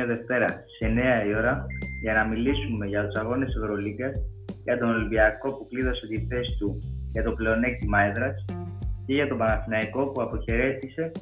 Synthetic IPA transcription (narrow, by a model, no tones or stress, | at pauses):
ɐðe̞ft̪e̞ɾɐse̞ne̞ɐio̞ɾɐʝɐnɐmilisume̞ʝɐt̪usɐɣo̞ne̞se̞vɾo̞liɡɐsʝɐt̪o̞nolimbiɐko̞pukliðo̞se̞t̪ife̞st̪uʝɐt̪o̞ple̞o̞ne̞cimɐeðɾɐsce̞ʝɐt̪o̞bɐnɐθinɐiko̞puɐpo̞çe̞ɾe̞θise̞